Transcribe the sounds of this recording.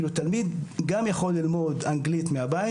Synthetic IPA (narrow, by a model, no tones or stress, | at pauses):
lut̪almid̪ɡamjaχo̞lːilmo̞d̪aŋɡlit̪meabai